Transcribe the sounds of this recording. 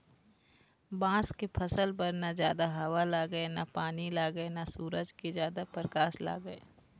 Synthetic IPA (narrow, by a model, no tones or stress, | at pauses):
bãːskepʰəsəlpəɾnad͡ʒjaːd̪aɦɐwalaːɡəenapaːnilaːɡəenasuːɾəd͡ʒked͡ʒjaːd̪apəɾkaːsla̰ːɡəeː